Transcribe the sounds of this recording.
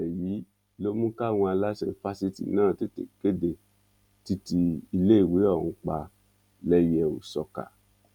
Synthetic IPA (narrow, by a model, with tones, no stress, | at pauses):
ɛ˨ji˨˦ | lo˦mũ˦ka˦˨w̃ɔ̃˧a˧la˦ʃɛ˦˨fa˦si˦tḭ˨nãː˦˨te˦tḛ˨ke˦de˨ | ti˧ti˧i˧le˦i˦˨we˨˦ɔ˦˨ũ˧˦k͡pa˧ | lɛ˦jɛ˧o̰˨sɔ˧ka̰˨